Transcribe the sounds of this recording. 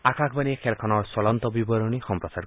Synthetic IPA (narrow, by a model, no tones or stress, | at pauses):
akʰakʰbanikʰelkʰɔnɔɾsɔlɔnt̪ɔbibɔɾɔnixɔmpɾɔsaɾ